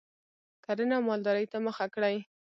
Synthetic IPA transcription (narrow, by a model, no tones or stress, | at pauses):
kaɾənawmɑld̪ɑɾəjt̪aməxakɽaj